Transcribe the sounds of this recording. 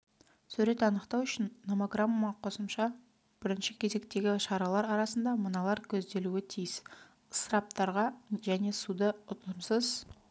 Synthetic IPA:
sɵɾe̞t̪ɑnəqt̪ɑwʏʃɪnːomoɡramomɑqʰo̞səmʃɑ | b̥ɪɾɪnʃɪkʲʰe̞ze̞kt̪e̞ɡʲɪʃɑɾɑlˠɑɾɑɾɑsənd̪ɑmənɑlˠɑɾkʲʰɵzd̪e̞luɪt̪ʰijɪs | səɾɑp̚t̪ɑɾʁɑʒæne̞sud̪əʊt̪əmsəz̥

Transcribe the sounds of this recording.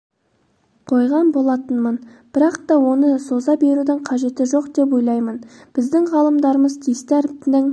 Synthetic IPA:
qʰo̞jʁɑnbo̞lˠɑt̪ənmənb̥ɪɾɑqt̪ɑwo̞nəso̞zɑbe̞ɾud̪ɪɴqʰɑʒe̞t̪ɪʒo̞qd̪e̞p̬o̞jlˠɑjmənb̥ɪzd̪ɪŋʁɑlˠəmd̪ɑɾəməzt̪ʰijst̪æɾɪnɪŋ

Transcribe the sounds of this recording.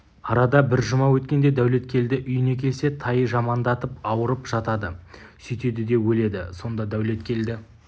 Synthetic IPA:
ɑɾɑd̪ɑbɪɾʒʊmɑwɵt̪kʲe̞nd̪e̞d̪æwle̞t̪kʲʰe̞ld̪ɪʔʏjɪne̞kʲʰe̞lse̞t̪ʰɑjʒɑmɑnd̪ɑt̪əpɑwəɾəpʒ̥ɑt̪ɑd̪əsʏjt̪e̞d̪ɪd̪e̞wɵle̞d̪ɪso̞nd̪ɑd̪æwle̞t̪kʲʰe̞ld̪ɪ

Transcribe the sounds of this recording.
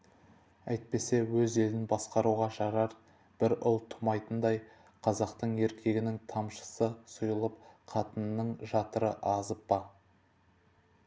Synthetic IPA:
æjt̪̚pe̞se̞wɵze̞lɪnbɑsqɑɾuʁɑʃɑɾɑɾ | b̥ɪɾʊlˠt̪ʰʊ̥mɑjt̪ənd̪ɑj | qʰɑzɑqt̪əɴe̞ɾkʲʰe̞ɡʲɪnɪŋt̪ʰɑmʃə̥səsʊjəlˠəp̚qʰɑt̪ənnəɴʒɑt̪əɾəʔɑzəp̚bɑ

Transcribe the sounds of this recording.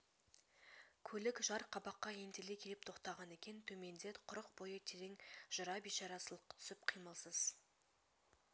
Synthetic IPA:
kʲʰɵlɪkʒɑɾqʰɑbɑqːɑent̪elekʲʰe̞lɪp̚t̪ʰo̞qt̪ɑʁɑne̞kʲe̞nt̪ʰɵme̞nd̪e̞t̪qʰʊɾəqbo̞jət̪ʰeɾeŋʒ̥əɾɑbiʃɑɾɑsəlˠəqːt̪ʰʏ̥sɪp̚qʰijməlˠsəz̥

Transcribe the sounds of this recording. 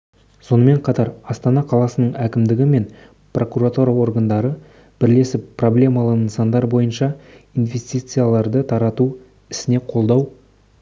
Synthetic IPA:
so̞nəme̞ɴqʰɑt̪ɑɾɑst̪ɑnɑqʰɑlˠɑsənəɴækʲɪmd̪ɪɡʲɪme̞n | pro̞kuɾat̪uɾɑo̞ɾɡand̪ɑɾə | b̥ɪɾle̞sɪppːro̞blʲe̞mɑlˠənəsɑnd̪ɑɾbo̞jənʃɑinve̞st̪ijt̪sɨjalˠɑɾd̪ət̪ʰɑɾɑt̪u | ɪsɪne̞qʰo̞lˠd̪ɑw

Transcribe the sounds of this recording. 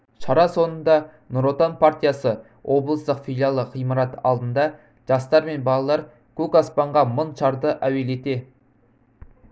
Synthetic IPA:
ʃɑɾɑso̞nənd̪ɑ | nʊɾot̪onpʰart̪ijasə | wʔo̞blˠəst̪əqfilˠijalˠəqʰijmɑɾɑt̪ɑ̰lˠd̪ənd̪ɑ | ʒ̥ɑst̪ɑɾme̞nbɑlˠɑlˠɑɾ | kʰukɑspɑɴʁɑmənʃɑɾd̪əʔæwe̞le̞t̪e̞

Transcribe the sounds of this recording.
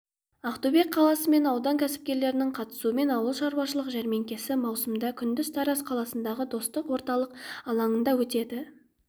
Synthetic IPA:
ɑqt̪ube̞k̚qʰɑlˠɑsəme̞nɑwd̪ɑŋkʲʰæsɪ̥p̚kʲe̞ɾle̞ɾɪnɪɴqʰɑt̪ə̥suəme̞nɑwəlˠʃɑɾuwɑʃəlˠəqʒæɾme̞ŋkʲe̞sɪmɑwsəmd̪ɑkʲʰʏnd̪ɪst̪ʰɑɾasqʰɑlˠɑsənd̪ɑʁəd̪o̞st̪əqwo̞ɾt̪ɑlˠəqɑlˠɑɴənd̪ɑwɵt̪e̞d̪ɪ

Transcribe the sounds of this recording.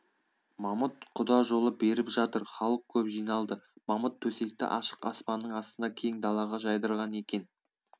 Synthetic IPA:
mɑmət̪̚qʰʊd̪ɑʒo̞lˠəbe̞ɾɪpʒɑt̪əɾχɑlˠəq̚kʲʰɵpʒijnɑlˠd̪əmɑmət̪ʰːɵse̞k̚t̪ɪ̰ʔɑ̰ʃə̥qɑ̰spɑnːəɴɑst̪ənd̪ɑkʲʰe̞jŋd̪ɑlˠɑʁɑʒɑjd̪əɾʁɑne̞kʲe̞n

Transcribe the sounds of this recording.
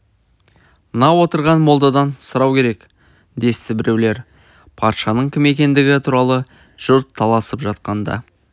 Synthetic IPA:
mənɑwo̞t̪əɾʁɑnmo̞lˠd̪ɑd̪ɑnsəɾɑwkʲe̞ɾe̞k | d̪e̞st̪ɪbɪɾe̞wle̞ɾ | pʰɑt̪ʃɑnəɴkʲʰɪme̞kʲe̞nd̪ɪɡʲɪt̪ʰuɾɑlˠə | ʒ̥ʊɾt̪ʰːɑlˠɑsəpʒɑt̪̚qɑnd̪ɑ̰

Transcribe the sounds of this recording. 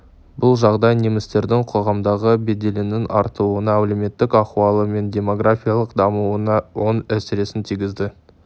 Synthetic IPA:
bʊlˠʒɑʁd̪ɑjnemɪst̪e̞ɾd̪ɪŋqʰo̞ʁɑmd̪ɑʁəbe̞d̪e̞lenɪnɑ̰ɾt̪əuənɑleme̞t̪ːɪkɑχuwɑlˠəme̞nd̪ʲe̞mo̞ɡrafʲijalˠəqd̪ɑmuənɑwo̞næsɪɾe̞sɪnt̪ʰijɡʲɪzd̪ɪ

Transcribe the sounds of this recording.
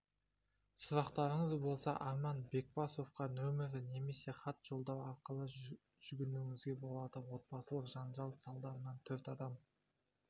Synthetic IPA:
sʊɾɑqt̪ɑɾəɴəzbo̞lˠsɑʔɑɾmɑnbe̞k̚pɑso̞fqɑnɵmɪɾd̪ɪne̞me̞se̞χɑt̪ʒ̥o̞lˠd̪ɑwɑɾqəlˠə | ʒ̥ʏɡʲɪnuɪŋɪzɡʲe̞bo̞lˠɑd̪əwo̞t̪̚bɑsəlˠəqʒɑnʒɑlˠsɑlˠd̪ɑɾənɑnt̪ʰɵɾt̪ɑd̪ɑm

